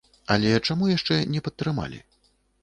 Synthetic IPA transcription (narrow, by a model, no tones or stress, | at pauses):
ɐlʲɛt͡ʂamujaʂt͡ʂɛnʲɛpɐt̪ːɾɨma̰lʲḭ